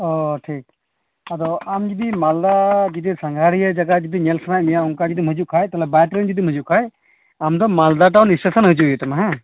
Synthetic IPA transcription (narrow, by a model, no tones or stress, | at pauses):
ɔʈʰik̚ | ad̪ɔamd͡ʒid̪imald̪ad͡ʒid̪isaŋɡʱaɾijad͡ʒaɡad͡ʒid̪iɲɛlsʰanajmijauŋkad͡ʒid̪imɦəd͡ʒuʔkʰajt̪alɛbaʈɾɛnd͡ʒid̪imɦəd͡ʒuʔkʰaj | amd̪ɔmald̪aʈ̬awnisəsənɦəd͡ʒujɛt̪ɔmaɦɛ̃